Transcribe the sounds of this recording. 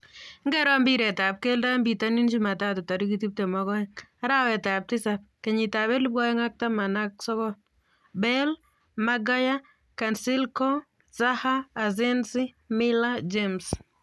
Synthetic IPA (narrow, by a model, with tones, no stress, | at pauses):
ŋɡɛɾɔ˦mbi˦ɾɛ˨ta˨p̚ke˦lda˦mbi˨ta˦ni˦nd͡ʒi˦ma˨ta˦tu˨ta˨ɾikiti˦p̚te˨mɔ˦ɡɔ˦a˦ɾa˦wɛ˨ta˨p̚tɪ˦sap̚ke˨ɲi˨ta˨bɛ˦lu˦ba˦jɛ˦ŋa˦k̚ta˦ma˨na˦ksɔ˦ɡɔ | bɛl | maɡa˦ja˦ | kansi˦lkɔ | sahaːz̬e˦nsi˦ | mɪla˦d͡ʒems